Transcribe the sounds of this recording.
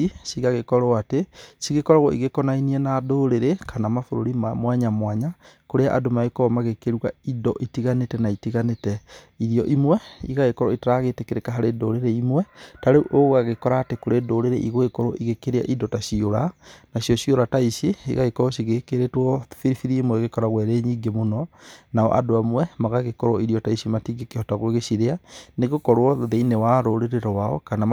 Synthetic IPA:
isiɣaɣekɔɾoatesiɣekɔɾaɣwɔiɣekɔnainiɛnadoɾeɾekʰanamafoɾoɾimamwaɲamwaɲakoɾeaʔa̰domaekɔmaɣekeɾwaidɔʔitiɣanetɛnaitiɣanetɛ | iɾiɔʔimwɛiɣaɣekɔɾɔitaɾaɣetekeɾekaɦaɾedoɾeɾeimwɛtaɾeʔoɣaɣekɔɾaːtekoɾedoɾeɾḛʔiɣoekɔɾoʔiɣekeɾea̰ʔidɔtaʃioɾanaɕjɔʃioɾataiʃiḭɣaɣekɔɾɔʃiɣekeɾetwɔfiɾifiɾiimwɛɣekɔɾaɣwɛɾeɲiːŋɡemonɔnaɔ̰ʔa̰doamwɛmaɣaɣekɔɾwɔiɾijɔtaisimatiɡekehɔtaɣoeɣeʃiɾeaneɣokɔɾwɔðeinewaɾoɾeɾeɾɔwaɔ̰kana

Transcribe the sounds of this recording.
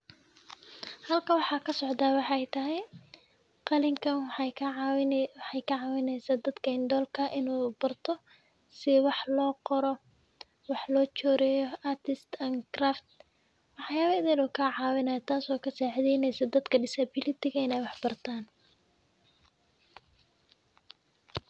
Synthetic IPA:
hɐlkʰɐwɑħɑːkʰɐsɔʕd̪aːwɑħɑɛjt̪ʰɐɦɛj | qɑlɪŋkʰɐ | wħɑjkʰɐʕɑwɪnɛjsaːd̪ɐd̪kʰɐɪnd̪ɔːlkʰɐʔɪnuːbɐrt̪ʰɔ | sɪwɑħlɔːqɔɾɔ | wɑħlɔːt͡ʃɔːɾɛːjɔɐrt̪ɪst̪ʰɐŋkraːft̪ | wɑħjaːβɐɪðɛluːkʰɐʕɑːwɪnɐjt̪ʰaːsɔːkʰɐsaːʕðɛjnɛjsɐd̪ɐd̪kʰɐɖɪsɐbɪlɪt̪ʰɪɣɐɪnɛːjwɑħbɐrt̪ʰaːn

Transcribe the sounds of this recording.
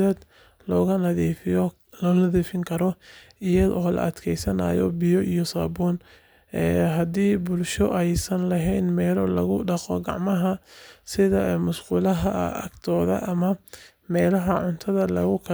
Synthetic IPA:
ɛːd̪ | lɔːɣɐnɐðiːfɪj | lɔːnɐðiːfɪŋkʰɐɾɔ | ɪjɐðɔːlɐ̰ʔɐd̪kʰɛjsɐna̰ːjɔ̰bɪjɔʔijɔsaːbɔːn | ɛːɦɐd̪iːbʊlʃɔʔɛjsɐnlɐɦɛjnmɛːlɔlɐ̰ɣʊɖɑqɔɡɑʕmɐɦɐsɪðɐmʊʃquːlɐɦɐɐɡt̪ʰɔːðɐ̰ʔɐmɐ | mɛːlɐɦɐʕʊnt̪ʰɐðɐlɐ̰ɣʊkʰɐ

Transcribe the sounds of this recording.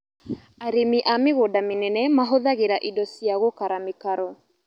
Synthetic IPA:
aɾemiʔameɣoːdamenɛnɛmaɦoðaɣeɾaʔidɔsjaɣokaɾamekaɾɔ

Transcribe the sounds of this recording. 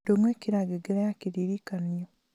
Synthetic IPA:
omweːkiɾaɡeɡeɾajakiɾiɾikanjo

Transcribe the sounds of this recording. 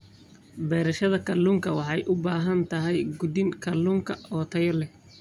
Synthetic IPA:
bɛːɾɐʃɐðɐkʰɐluŋkʰɐwɑħɑjʔʊbaːɦɐnt̪ʰɐɦɛjɡʊd̪ɪŋkʰɐluːŋkʰɐɔːt̪ʰɐjɔlɛ

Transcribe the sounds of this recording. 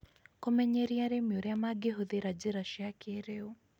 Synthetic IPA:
komɛɲɛɾiaɾemiuɾɛamaɡeɦʊðeɾad͡ʒiɾaʃiakʰeːɾeu

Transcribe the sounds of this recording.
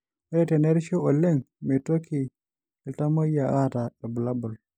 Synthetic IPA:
aɛtɛneɾʃoolːeŋ | metokʰi | ɛltamojaʔataɾbulabɔl

